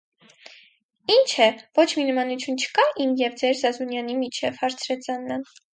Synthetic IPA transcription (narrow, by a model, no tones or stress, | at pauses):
int͡ʃʰɛvɔt͡ʃʰminəmɑnut͡sʰjunt͡ʃʰə̥kɑʔimjɛvd͡zɛɾzɑzunjɑnimit͡ʃʰɛvhɑɾt͡sʰɾɛt͡sʰɑnːɑn